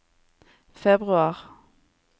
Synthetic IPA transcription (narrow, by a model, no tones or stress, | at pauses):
fɛbʁʉɑːʁ